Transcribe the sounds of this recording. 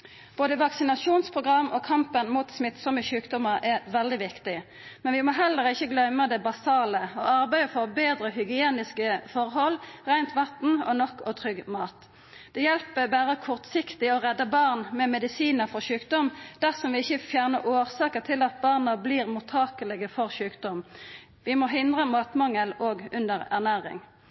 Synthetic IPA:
b̥oːd̪əʋɑksɪnɑʂuːnspʰʁʊɡʁɑmːɔːkʰɑmpənmuːt̪smɪt̪sɔməçʉːkd̪ɔməʁʔɛʋɛld̪ɪʋɪkt̪ɪ | mɛnʋɪmɔɦɛlːəʁɪçːəɡlœməd̪ɛbɑsɑːləɔɑʁbæɪəfɔʁbeːd̪ɾəhʏɡɪeːnɪskəfɔʁhɔlːʁæɪnt̪ʋɑt̪n̩ɔ̰nɔkːɔt̪ʰʁʏɡmɑːt̪ | d̪̥ɛjɛlpəbæːɾəkʰɔʁt̪sɪkt̪ɪɔʁɛd̪ːəbɑʁnmɛmɛd̪ɪsiːnəʁfɔʁɕʉːkd̪ɔmd̪̥æʁsɔmʋɪɪçəfjæːʁnəʔoːʁsɑːkəʁt̪ʰɪlɑt̪̚bɑʁnəbliːʁmʊt̪ʰɑːkəlɛɡəfɔʁɕʉːkd̪ɔm | ʋɪmɔɦɪnd̪ʁəmɑːt̪mɑŋəloːɡʉnd̪əʁæ̰ʁnæːʁɪ̰ŋ

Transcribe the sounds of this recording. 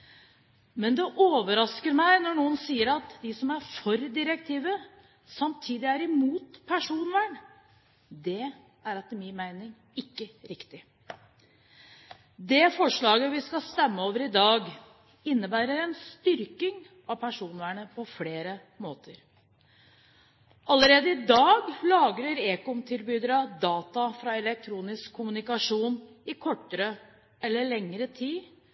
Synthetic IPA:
mɛnd̪ɛʔoːʋəɾɑskəɾmæɪnɔɳuːənsiːəɾɑt̪d̪ɪsɔmæɾfɔɾd̪ɪɾɛk̚t̪ʰiːʋə | sɑmt̪ʰiːd̪ɪæɾɪmuːt̪pʰæʂuːnʋæːɳ | d̪ɛ | æɾɑt̪mɪnmæɪnɪŋ | ɪkːəɾɪkt̪ɪ | d̪ɛfɔʂɭɑːɡəʋɪskɑst̪ɛmːəoːʋəɾɪd̪ɑːɡ | ɪnːəbæːɾəɾɛnst̪ʏɾkɪŋ | ɑpʰæʂuːnæɳəpʰɔfleːɾə | moːt̪ʰəɾ | ɑlːəɾeːd̪əɪd̪ɑːɡlɑːɡɾəɾeːkɔmt̪ʰɪlbyːd̪əɾɑd̪ɑːt̪ɑfɾɑɛlɛk̚t̪ʰɾuːnɪskʰːʊmʉnɪkɑʂuːn | ɪkʰɔʈːəɾə | ɛlːəɭɛŋːəɾət̪ʰiː

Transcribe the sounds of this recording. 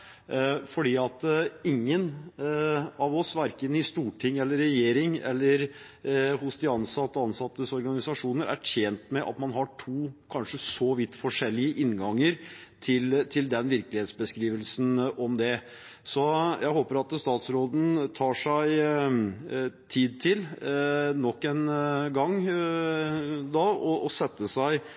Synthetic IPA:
fɔɖiːɑt̪ɪŋːən | ɑʋɔsʋæɾkənəɪst̪uːʈʰɪŋːɛlːəɾɛjeːɾɪŋɛ̰lːəɾ | hʊsd̪ɪɑnsɑt̪ːəɑnsɑt̪ːəsɔɾɡɑnɪsɑʂuːnəɾæ̰tʰeːnt̪mɛʔɑ̰t̪mɑnɦɑʈʰuːkʰɑnʂəsɔʋɪt̪ːfɔʂɛlːɪəʔɪnɡɑŋːəɾt̪ʰɪlt̪ʰɪld̪ɛnʋɪɾkəlɪheːt̪sbəskɾiːʋəlsn̩ʔɔmd̪ɛ | sɔjʔæɪɦoːpəɾɑt̪st̪ɑːt̪sɾoːd̪n̩t̪ʰɑːʂæɪ | t̪ʰiːd̪̚t̪ʰɪl | nɔkːɛnɡɑŋː | d̪ɑɔʔɔsɛt̪ːəsæɪ

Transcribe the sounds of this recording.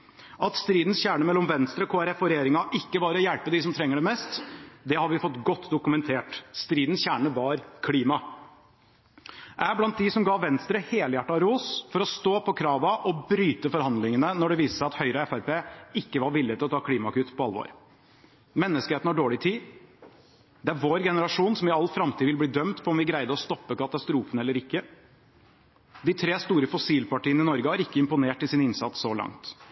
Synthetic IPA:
ʔɑt̪st̪ɾiːd̪n̩sçæːɳəmɛlːɔmʋɛnst̪ɾəɔkʰoːæɾɛfɔɾɛjeːɾɪŋɑʔɪkːəbɑːɾəɔjælpəd̪ɪsɔmt̪ʰɾɛŋːəɖɛmɛst̪d̪ɛhɑɾʋɪfɔt̪ːɡɔt̪ːd̪ʊkʉmɛnt̪ʰeːʈst̪ɾiːd̪n̩sçæːɳəʋɑɾkʰliːmɑ | ʔæblɑnt̪̚d̪ɪsɔmɡɑːʋɛnst̪ɾəheːləjæʈːɑɾoːsfɔɾɔst̪oːpʰɔkʰɾɑːʋɑʔɔbɾyːt̪əfɔɾhɑnd̪lɪŋənənɔɖɛʋiːsə̥sɑt̪hœʏɾəɛfæɾpeːɪkːəʋɑɾʋɪlːɪət̪ɪlɔt̪ʰɑːkʰliːmɑkʉt̪ːpʰɔɑlːʋo̰ɾ | mɛnːəskəheːt̪n̩hɑɖoːɭɪt̪ʰiː | d̪ɛæɾʋoːɾɡɛnəɾɑʂuːnsɔmɪɑlːfɾɑmt̪ʰiːʋɪlbliːd̪œmt̪pʰɔɔmʋɪɡɾæɪd̪əɔst̪ɔpːəkɑt̪ɑst̪ɾuːfənɛlːəɾɪkːə | d̪ɪt̪ʰɾeːst̪uːɾəfɔsiːlpɑʈiːənɪnɔɾɡəhɑɾɪkːəɪmpʊneːʈɪsɪnɪnsɑ̰t̪ssɔlɑ̰ŋt̪

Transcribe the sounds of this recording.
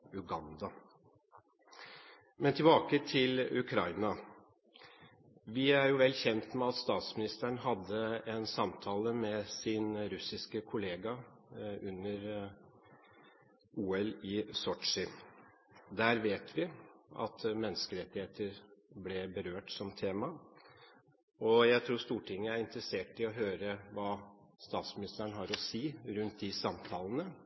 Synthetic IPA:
ʉɡɑnd̪ɑ | mɛnt̪ʰɪlbɑːkət̪ʰɪlʉkʰɾɑɪnɑ | ʋɪæɾjʊʋɛlːçɛnt̪mɛɑt̪st̪ɑːt̪smɪnɪst̪əɳɦɑd̪ːəɛnsɑmt̪ʰɑːləmɛsɪnɾʉsɪskəkʰʊleːɡɑ | ʉnːəɾ | ʔuːɛlɪsɔʈʂɪ | d̪æːɾʋeːt̪ʰʋɪɑ̰t̪mɛnːəskəɾɛt̪ːɪheːt̪əɾblɛbəɾøːʈsɔmt̪ʰeːmɑ | ɔjæɪt̪ʰɾuːʂt̪uːʈʰɪŋːəæɾɪnt̪ɾəseːʈɪɔɦøːɾəʋɑːst̪ɑːt̪smɪnɪst̪əɳɦɑɾɔsiːɾʉnt̪̚d̪ɪsɑmt̪ʰɑːlənə

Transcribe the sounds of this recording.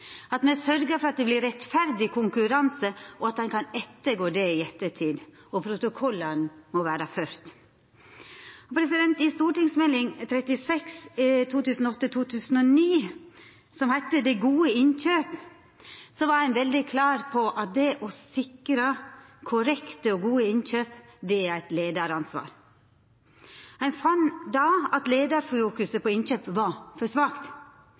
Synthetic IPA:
ɑt̪mɛsœɾɡəɾfɔɾɑt̪̚d̪ɛblɪɾɛt̪fæɾd̪ɪkʰʊŋkʉɾɑnsəʔɔɑt̪̚d̪ɛnkʰɑnɛt̪ːəɡoːd̪ɛɪɛt̪ːəʈʰiːd̪ | ɔpʰɾʊt̪ʊkʰɔlːənmɔʋæːɾɑføːɾt̪ | ɔpʰɾɛsɪd̪ɛnt̪ɪst̪uːʈɪŋsmɛlɪŋt̪ʰɾɛt̪ɪsɛkst̪ʰuːt̪ʉːsn̩ɔɔt̪ːət̪ʰuːt̪ʰʉːsn̩ɔniː | sɔmhɛt̪ːəd̪ɛɡuːəɪnçøːp | sɔʋɑɾhænʋɛld̪ɪkʰlɑːɾpʰɔʔɑt̪̚d̪ɛʔɔsɪkɾəkʰʊɾɛkt̪əɔɡuːəɪnçøːpd̪ɛææɪt̪leːd̪ɑɾɑnsʋɑ̰ːɾ | hæɪnfɑnd̪ɑɑt̪leːd̪ɑɾfuːkʉsəpʰɔɪnçøːpʋɑfɔsʋɑːkt̪

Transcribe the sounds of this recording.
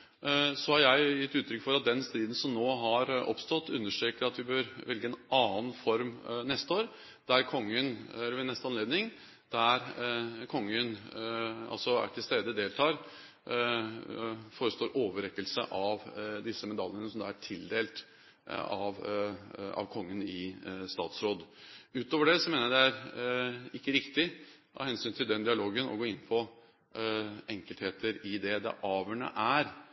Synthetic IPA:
sɔhɑɾjæɪjɪt̪ːʉːt̪ʰɾʏkːfɔɾɑt̪̚d̪ɛnst̪ɾiːd̪n̩sɔmnoːɦɑɾɔ̰pst̪ɔt̪ːʉnːəʂʈøːkəɾɑt̪ʋɪbøɾʋɛlɡəɛnɑːənfɔɾmnɛst̪əoːɾ | d̪̥æɾkʰɔŋːənɛlːəʋɪnɛst̪ɑnleːd̪nɪŋ | d̪̥æɾkʰɔŋːən | ɑ̰lsɔæ̰ʈʰɪlst̪eːd̪əd̪eːlt̪ʰɑːɾ | foːɾəst̪oːɾʔoːʋəɾɛkːəlsə̰ʔɑʋd̪ɪsːəmɛd̪ɑlːənəsɔmd̪ɑːæʈʰɪld̪eːlt̪ | ɑʋ | ɑ̰ʋkʰɔŋːənɪst̪ɑ̰ːt̪sɾoːd̪ʉːt̪oːʋəɖɛsɔmeːnəd̪ɛæɾ | ɪkːəɾɪkt̪ɪ | ɑ̰hɛnsyːnt̪ʰɪld̪ɛnd̪ɪɑloːɡənɔ̰ɡoːɪnːpʰɔ | ɛŋkəlt̪heːt̪əɾɪd̪ɛd̪ɛ̰ʔɑːʋəɳə̰ʔæɾ

